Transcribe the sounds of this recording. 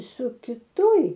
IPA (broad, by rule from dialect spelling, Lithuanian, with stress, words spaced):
sʊ kʲɪˈtoːj